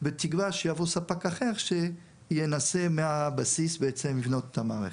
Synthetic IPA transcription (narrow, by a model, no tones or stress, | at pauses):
bet̪iɡvaʃejavosapakaχeʁʃe | jenasemeabasisbeet͡semlivnot̪etamaʁe